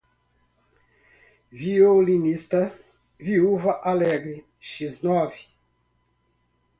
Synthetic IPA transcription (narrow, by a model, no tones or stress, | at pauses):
violinist̪ɐ | viuvɐʔalɛɡɾi | ʃiznɔvi